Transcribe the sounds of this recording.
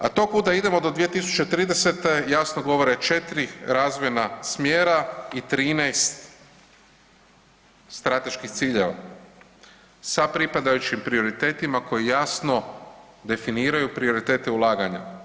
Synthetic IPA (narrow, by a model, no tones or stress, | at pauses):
a̰t̪o̞kud̪aid̪e̞mo̞d̪o̞d̪ʋijet̪isu̥t͡ʃe̞t̪ɾiːd̪e̞se̞t̪e̞jasnoɡo̞ʋo̞ɾe̞t͡ʃe̞t̪ɾiɾaːzʋojenasmjeːɾait̪ɾiːnejst̪ | st̪ɾat̪e̞ʃkixt̪siːʎe̞ʋa̰ | sapɾipad̪ajut͡ʃimpɾio̞ɾit̪e̞ːt̪imako̞jijasno̞d̪e̞finiːɾajupɾio̞ɾit̪e̞ːt̪eulˠaːɡaɲa̰